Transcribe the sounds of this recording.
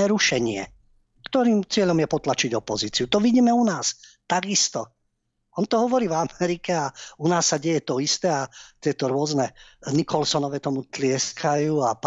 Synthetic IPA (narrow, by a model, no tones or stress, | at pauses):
ɛɾuʃɛɲɪɛ̰ | kt̪ɔɾiːmt͡sɪɛʎɔmjɛpɔt̪lat͡ʃiɟɔpɔziːt͡siut̪ɔʋiɟiːmɛunaːst̪aɡist̪ɔ | ɔnt̪ɔɦɔʋɔɾiːvamɛɾikɛaunaːsːaɟɛjɛt̪ɔist̪ɛat̪ɪɛt̪ɔɾʊɔznɛnikʰɔlsɔnɔʋɛt̪ɔmut̪lɪɛskʰajuːap